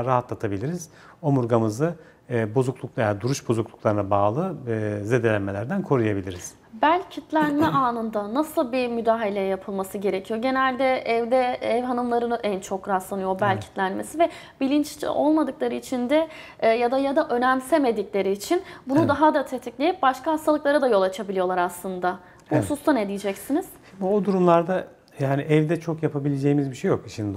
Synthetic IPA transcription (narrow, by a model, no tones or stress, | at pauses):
ɾaɦat̪lˠat̪ʰabilʲiɾiz̥ | o̞muɾɡamɯzɯ | bo̞zuklˠuklˠajad̪uɾuʃbo̞zuklˠuklˠaɾɯnabaːlˠɯze̞d̪elʲænme̞lʲæɾd̪ænkʰo̞ɾujabilʲiɾiz̥ | bælʲcʰit̪lʲænmɛʔaːnɯnd̪anasɯlˠbimyd̪aːɦalʲejɛjapʰɯlˠmasɯɟe̞ɾe̞cʰijo̞ɟe̞nælʲd̪ɛɛvd̪ɛɛvɦanɯmlˠaɾɯnɯʔænt͡ʃʰo̞kɾat̪ˠanɯjo̞bælʲcʰi̥t̪lʲænme̞sivɛ | bilʲint͡ʃo̞lˠmad̪ɯklˠaɾɯit͡ʃʰind̪ɛː | jad̪ajad̪aʔø̞næmseme̞d̪iclʲe̞ɾiːt͡ʃʰinbunud̪aɦad̪at̪ʰet̪ʰiclʲejip̚baʃkaɦast̪ʰalˠɯklˠaɾɯd̪ajo̞lˠat͡ʃʰabilʲijo̞lˠaɾaslˠɯnd̪a | b̥uhusust̪ʰaned̪ijid͡ʒɛcsiniz̥ | bod̪uɾumlˠaɾd̪a | jaːniʔɛvd̪ɛt͡ʃʰo̞kjapʰabilʲed͡ʒejimizbiʃejokiʃin